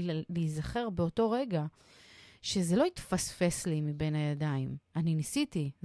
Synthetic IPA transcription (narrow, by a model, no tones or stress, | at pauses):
lizaχe̞ʁbeo̞to̞ʁe̞ɡa | ʃe̞zelo̞itfasfe̞slimibe̞najadaimaninisiti